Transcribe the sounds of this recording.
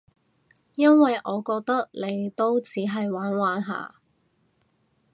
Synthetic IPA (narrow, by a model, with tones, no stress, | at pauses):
jɐ˥nwɐ˨jʔɔː˨˧kɔː˧k̚t̪ɐ˥k̚le˨˧jt̪o˥wt͡siː˨˥ɦɐ˨jwaː˨˥nwaː˨˥nɦa̰ː˨˧